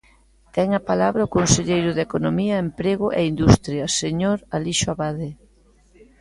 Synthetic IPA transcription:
t̪ɛŋɐpalaβɾɐʊkonseʎejɾʊðekonomiɐempɾeɣʊʔeind̪ust̪ɾjɐseɲoɾaliʃʊaβaðe

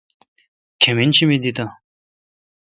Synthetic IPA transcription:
kʰement͡ɕʰimed̪it̪a

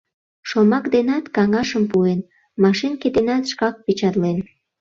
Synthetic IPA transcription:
ʃomɑkd̪enɑt̪kɑŋɑʃəmpuen | mɑʃenket̪enɑt̪ʃkɑk̚pit͡ɕɑt̪len

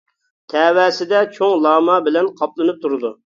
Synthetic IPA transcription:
t̪ʰɛːwɛːsɪd̪ɛt͡ʃʰoŋlˠɑːmɑbɪlɛnqʰɑplˠɨnɨp̚t̪ʰuɾɨd̪u

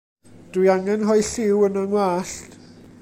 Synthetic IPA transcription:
d̥ujaŋɛnɦɔɨɬɪwənəŋwaːɬt

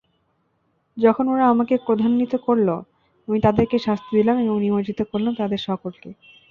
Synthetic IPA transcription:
d͡ʑɔkʰonoɾaamakepɾod̪ʱanːit̪okoɾlo̰ | amit̪ad̪eɾkeʃast̪ʰid̪ilamebõŋnibad͡ʑit̪okoɾlamt̪ad̪eɾʃɔkolke

